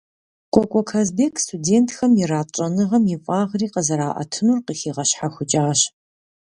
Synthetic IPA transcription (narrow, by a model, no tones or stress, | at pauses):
kʷʼɔkʷʼɔkʰazbeːkʰstʰudeːntʰxɐmjɪɾaːt͡ʃʼɐnɨʁɐmjifʼaːʁriːqɐzɐɾaːʔɐ̰tʰɨnurqixiːʁɐɕħaxʷʊt͡ʃʼaːɕ